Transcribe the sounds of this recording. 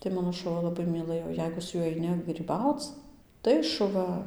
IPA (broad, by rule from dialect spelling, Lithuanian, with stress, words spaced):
tɐɪ ˈmɑːnoː ʃʊˈʋɐ lˠɐˈbɐɪ mʲiːˈlˠɘjoː ˈjɛɪɡʊ sʊ ˈjuɔj ɐɪˈnʲɪ ɡrʲiːˈbɐʊt͡s ˈtɐɪ ʃʊˈʋɐ